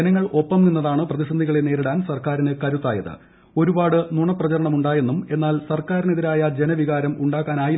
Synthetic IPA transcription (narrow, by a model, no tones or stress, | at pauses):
nɐŋːɐɭo̞pːɐmninːɐðaːɳɨprɐðisɐnd̪ʱiɣɐɭe̞ne̞ːɾiɽaːnsɐrkaːɾinɨkɐɾut̪ːaːjɐðɨ̰ | o̞ɾubaːɽɨnuɳɐprɐt͡ɕɐɾɐɳɐmuɳɖaːje̞nːume̞nːaːlsɐrkaːɾineðiɾaːjɐd͡ʑe̞nɐʋiɣaːɾɐmuɳɖaːkːaːnaːji